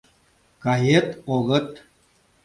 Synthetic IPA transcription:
kajet̪oɣət̪

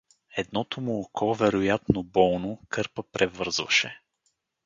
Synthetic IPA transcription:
ɛd̪nɔt̪omʊːkɔvɛɾojat̪nobɔlˠnokɤɾpəpɾʔɛvɤɾzvə̰ʃɛ

